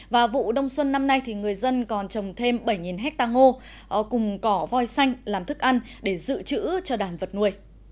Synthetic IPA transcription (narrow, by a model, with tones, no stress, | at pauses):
vaː˨˩vṵ˧˨ɗə˧wŋ͡mswə˧nːa˧mna˧jt̪ʰi˨˩ŋɨ˨˩əjzə˧nkɔ˨˩nt͡ɕə˨˩wŋ͡mt̪ʰe˧mɓə˧˩jŋi˨˩nɦɛ˦˥k̚t̪aː˧ŋo˧ | kʊ˨˩ŋ͡mkɔ˨˦vɔ˧jsa˧jŋ̟laː˨˩mt̪ʰɨ˦˥k̚ʔa˧nɗe˧˩zɨ̰˧˨t͡ɕɨ̰˧˥t͡ɕɔ˧ɗaː˧˩nvə˨˩t̚nu˧əj